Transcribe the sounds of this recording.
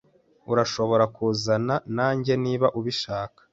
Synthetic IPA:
uɾaʃo̞βo̞ɾakʰuzananaːɲɟe̞niːβaʔuβiʃaːkḁ

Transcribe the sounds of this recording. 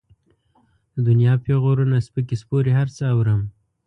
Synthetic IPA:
d̪əd̪ʊnjɑpeɣoɾunaspəkespoɾeɦaɾt͡səawɾəm

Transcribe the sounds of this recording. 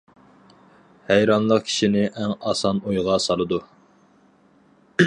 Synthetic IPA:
hæjɾɑnlˠəqkʲʰi̥ʃinɪʔɛŋɑsɑnujʁɑsɑlˠɨd̪u

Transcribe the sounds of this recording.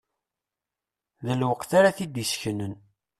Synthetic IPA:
ðəlwəqθaɾaθid̪isçənən

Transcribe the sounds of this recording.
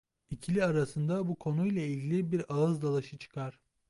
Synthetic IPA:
icʰilʲiaɾasɯnd̪abukʰo̞nujlˠailʲɟilʲibiɾalˠɯzd̪alˠaʃɯt͡ʃʰɯ̥kʰaɾ̥

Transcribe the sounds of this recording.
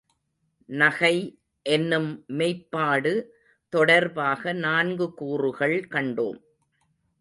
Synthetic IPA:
nɐɣɐɪ | ʔɛnːɯmːeɪpːaːɽɯ | t̪ɔɽɐɾbaːɣɐnaːnɡɯkuːrɯɣɐɭkɐɳɖo̰ːm

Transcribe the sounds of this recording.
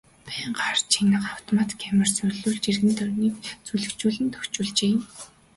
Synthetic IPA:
pʰæːɴɢart͡ɕʰinə̆χaw̥t̪ʰɔmat̪ɡʰamɪ̆r̥sʊɮuːɮt͡ɕirɣɘ̆nt̪œrniːkt͡suɮɘ̆kt͡ɕuːɮɘ̆nt̪ʰɵxt͡ɕuːɮt͡ɕeːm

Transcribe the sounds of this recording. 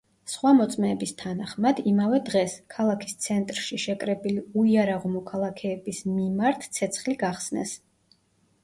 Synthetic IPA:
sχwamɔt̪sʼmɛːbist̪ʰanaχmad̪imavɛd̪ʁɛskʰalˠakʰi̥st̪sʰɛnt̪ʼɾʃiʃɛkʼɾɛbiliuiaɾaʁɔmɔkʰalˠakʰɛːbismimaɾt̪ʰt̪sʰɛt̪sʰχliɡaχsnɛ̰s

